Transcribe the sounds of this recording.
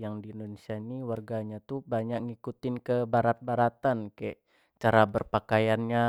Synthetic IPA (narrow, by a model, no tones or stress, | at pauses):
jaŋdiindonesianiwarɡaɲat̪ubaɲak̚ŋikut̪ɪnkəbaɾat̪̚baɾat̪ankaaʔ | t͡ʃaɾabərpakajanɲa